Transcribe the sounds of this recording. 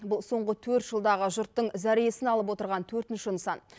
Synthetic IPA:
bʊlˠso̞ɴʁət̪ʰɵɾt̪ʒ̥əlˠd̪ɑʁəʒʊɾt̪ːəɴzæɾije̞sɪnɑlˠəp̬wo̞t̪əɾʁɑnt̪ʰɵɾt̪ɪnʃɪnəsɑn

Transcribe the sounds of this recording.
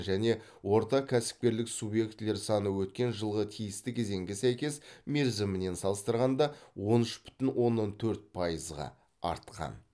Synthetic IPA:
ʒæne̞ | wo̞ɾt̪ɑkʲʰæsɪ̥p̚kʲe̞ɾlɪksubje̞kt̪le̞ɾsɑnəwɵt̪̚kʲe̞nʒəlˠʁət̪ʰijɪst̪ɪkʲʰe̞ze̞ŋɡʲɪsæjkʲe̞sme̞ɾzɪmɪne̞nsɑlˠəst̪əɾʁɑnd̪ɑwo̞nʏʃbʏ̥t̪ɪnwo̞nːont̪ʰɵɾt̪̚pʰɑjəzʁɑ̰ | ɑ̰ɾt̪qɑ̰n

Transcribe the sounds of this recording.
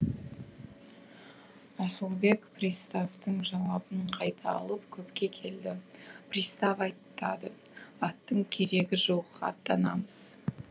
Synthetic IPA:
ɑsəlˠbe̞kprʲist̪aft̪əɴʒɑwɑbəɴqʰɑjt̪ʰɑ̰ːlˠəpkʲʰɵpkʲe̞kʲʰe̞ld̪ɪprʲist̪avɑjt̪ːɑd̪ə | ɑt̪ːəɴkʲʰe̞ɾe̞ɡʲɪʒowəqɑ̰t̪ːɑnɑ̰məz̥

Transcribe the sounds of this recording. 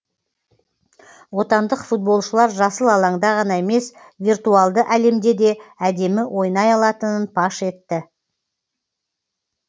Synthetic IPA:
wo̞t̪ɑnd̪əqfut̪̚bo̞lˠʃəlˠɑɾʒɑsəlˠɑlˠɑŋd̪ɑʁɑnɑe̞me̞s | virt̪uɑlˠd̪əʔæle̞md̪e̞d̪e̞æd̪e̞mɪwʔo̞jnɑjɑlˠɑt̪ənənpʰɑʃe̞t̪ːɪ

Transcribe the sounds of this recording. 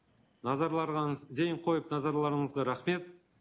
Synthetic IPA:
nɑzɑɾlˠɑɾʁɑnəzd̪ejɴqʰo̞jəpnɑzɑɾlˠɑɾəɴəzʁɑɾɑχme̞t̪̚

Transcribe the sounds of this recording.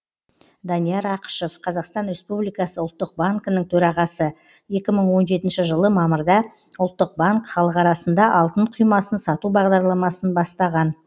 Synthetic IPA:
d̪ɑnijɑɾɑqə̥ʃo̞fqʰɑzɑqst̪ɑnɾe̞spublijkɑsəʊlˠt̪ːəq̚baŋkənəŋt̪ʰɵɾɑʁɑsə | je̞kʲɪməɴwo̞nʒe̞t̪ɪnʃɪʒəlˠəmɑməɾd̪ɑ | ʊlˠt̪ːəq̚baŋkχɑlˠəqɑɾɑsənd̪ɑʔɑlˠt̪əɴqʰʊjmɑsənsɑt̪ubɑʁd̪ɑɾlˠɑmɑsənbɑst̪ɑʁɑn

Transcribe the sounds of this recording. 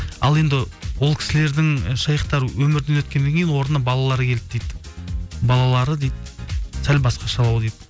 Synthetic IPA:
ɑ̰lˠe̞nd̪ɪwo̞lˠkʲʰɪ̥sɪle̞ɾd̪ɪŋʃɑjəqt̪ɑɾəwɵmɪɾd̪enwɵt̪kʲend̪e̞ŋʲkʲe̞jɪnwo̞ɾənɑbɑlˠɑlˠɑɾəkʲʰe̞lɪp̚d̪ejd̪ɪbɑlˠɑlˠɑɾəd̪ejd̪ɪsælbɑsqɑʃɑlˠɑwd̪ejd̪

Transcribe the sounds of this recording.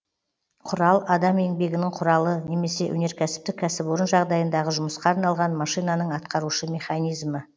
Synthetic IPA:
qʰʊɾɑlˠɑd̪ɑme̞ŋbe̞ɡʲɪnɪɴqʰʊɾɑlˠəne̞me̞se̞ʔwɵ̰ne̞ɾkʲʰæsɪ̥p̚t̪ɪkʲʰːæsɪpoɾənʒɑʁd̪ɑjənd̪ɑʁəʒʊməsqɑːɾnɑlˠʁɑnmɑʃijnɑnəɴɑt̪qɑɾuʃəmʲe̞χɑnijzmə

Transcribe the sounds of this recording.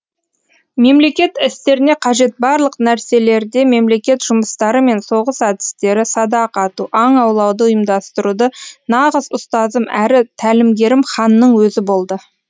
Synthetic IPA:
me̞mle̞kʲe̞t̪ɪst̪e̞ɾɪne̞qʰɑʒe̞t̪̚bɑɾlˠəqnæɾse̞le̞ɾd̪e̞me̞mle̞kʲe̞t̪ʒʊməst̪ɑɾəme̞nso̞ʁəsɑd̪ɪ̥st̪e̞ɾɪsɑd̪ɑqɑt̪uʔɑɴɑwlˠɑwd̪əʊjəmd̪ɑst̪əɾud̪ənɑʁəzʊst̪ɑzəmæɾɪt̪ʰælɪmɡʲe̞ɾɪmχɑnːəɴwɵzɪbo̞lˠd̪ə

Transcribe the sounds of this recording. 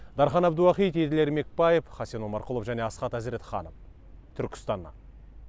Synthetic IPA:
d̪ɑɾχɑnɑbd̪uwɑχijt̪ʰejd̪ɪle̞ɾme̞k̚pɑjefχɑsenomɑɾqʊlˠəfʒæne̞ɑsqɑt̪æzɾe̞t̪χɑ̰nəf | t̪ʰʏɾkʲɪ̥st̪ɑnːɑ̰

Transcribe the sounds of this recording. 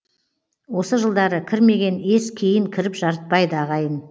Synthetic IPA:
wo̞səʒəlˠd̪ɑɾəkʲʰɪɾme̞ɡʲe̞ne̞skʲʰejɪŋkʲʰɪɾɪpʒ̥ɑɾət̪̚pɑjd̪əɑʁɑjən

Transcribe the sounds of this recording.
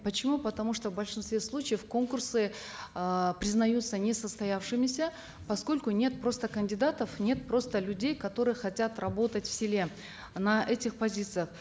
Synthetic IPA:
pət͡ɕɪmupət̪ɐmuʂt̪o̞vbəlʲʂɨnst̪vʲe̞slˠut͡ɕɪjəfko̞nkʊrsɨ | pɾʲɪznɐjut̪sənʲesəst̪ɐjafʂɨmʲɪsʲə | pɐsko̞lʲkʊnʲe̞t̪̚pɾo̞st̪əkənʲdʲɪd̪at̪əfnʲe̞t̪̚pro̞st̪əlʲʉdʲejkɐt̪o̞ɾɨjəxɐtʲat̪rɐbo̞t̪ətʲfsʲɪlʲe̞ | nɐʔɛtʲɪxpɐzʲit̪sɨjəχ

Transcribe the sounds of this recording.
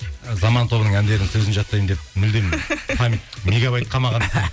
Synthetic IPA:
zɑmɑnt̪ʰo̞bənəɴænd̪e̞ɾɪŋsɵzɪnʒɑt̪ːɑjmnd̪ep̚mʏld̪empʰɑmʲme̞ɡavɑjt̪̚qʰɑmɑʁɑn

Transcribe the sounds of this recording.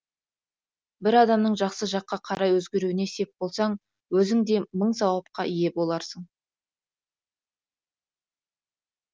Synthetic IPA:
bɪɾɑd̪ɑmnəɴʒɑqsəʒɑqːɑqʰɑɾɑjwɵzɡʲe̞ɾuwɪne̞se̞p̚bo̞lˠsɑɴ | wɵzɪŋd̪e̞məɴsɑwɑp̚qɑʔije̞bo̞lˠɑɾsəɴ

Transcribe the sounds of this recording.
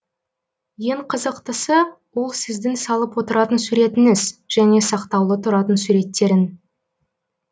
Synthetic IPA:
je̞ɴqʰəzəqt̪əsə | wo̞lˠsɪzd̪ɪnsɑlˠəpwo̞t̪əɾɑt̪ənsuɾe̞t̪ɪnɪz̥ʒ̥æne̞sɑqt̪ɑwlˠət̪ʰʊɾɑt̪ənsuɾe̞t̪ːe̞ɾɪn

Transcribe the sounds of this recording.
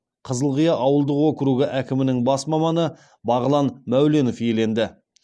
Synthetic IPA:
qʰəzəlˠʁijɑʔɑwəlˠd̪əqwokʲɪɾuɡʲɪʔækʲɪmɪnɪŋbɑsmɑmɑnə | bɑʁəlˠɑnmæwle̞no̞fje̞le̞nd̪ɪ

